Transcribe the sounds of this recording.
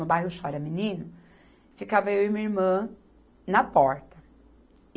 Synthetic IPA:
mewbajhʊʃɔɾɐminĩnʊ | fikavɐewɪmĩɐiɾmɐ̃ | nɐpɔɾt̪ɐ

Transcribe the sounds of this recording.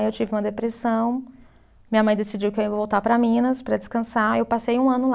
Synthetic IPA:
ewt͡ʃivɪũmɐd̪epɾesɐ̃w̃ | mĩɲɐmɐ̃j̃d̪esid͡ʒiwkɪeivowt̪apɾɐmĩnɐspɾɐd͡ʒɪskɐ̃saewpasejũɐ̃nʊl

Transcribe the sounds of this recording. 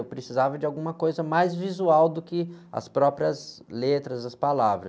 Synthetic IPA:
wpɾesizavɐd͡ʒɪawɡũmɐkojzɐmajzvizuawd̪ʊkɪɐ̰spɾɔpɾiɐzlet̪ɾɐzɐspalavɾɐ

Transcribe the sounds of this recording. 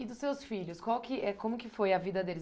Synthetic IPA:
ɪd̪ʊsːewsfiʎʊskwawkɪʔɛkõmʊkɪfojɐvid̪ɐd̪elɪ

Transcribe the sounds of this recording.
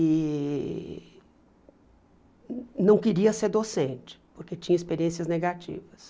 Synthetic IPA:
ɪ | nɐ̃w̃kɪɾiɐseɾd̪osẽnt͡ʃɪ̥poɾket͡ʃĩɲɐispeɾiẽsiɐzneɡat͡ʃḭvɐs

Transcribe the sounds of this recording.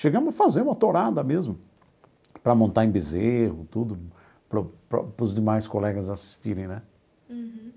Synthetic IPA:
ʃeɡɐ̃mʊzɐfazeɾũɐt̪oɾad̪ɐmezmʊ | pɾɐmõnt̪aẽj̃bezehʊt̪ud̪ʊ | pɾʊpɾɐ̰pɾʊzd̪emajskolɛɡɐzasi̥st̪iɾẽj̃nɛ

